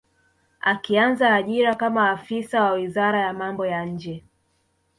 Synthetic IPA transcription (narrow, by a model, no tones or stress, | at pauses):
akianzaːʄiɾakamaːfisawawizaɾajamambɔjaɲ̩d͡ʒɛ